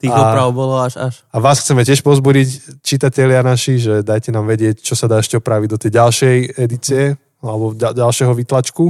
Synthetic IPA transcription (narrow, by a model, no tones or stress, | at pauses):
t̪iːɣaɔpɾaʊbɔlɔaʒaʃ | aʋaːsxt͡sɛmɛcɪɛʃpɔzbuɟict͡ʃit̪acɛlɪanaʃiʒɛd̪ajcɛnaːmʋɛɟɪɛct͡ʃɔsad̪aːɛʃcɛɔpɾaʋiɟd̪ɔt̪ɛjɟalʃɛjɛd̪it͡siɛ | alɛbɔɟadalʃɛɦɔʋit̪lat͡ʃku